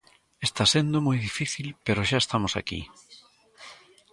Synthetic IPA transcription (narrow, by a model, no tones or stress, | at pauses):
est̪asend̪omɔjðifiθilpeɾoʃaest̪amosa̰kḭ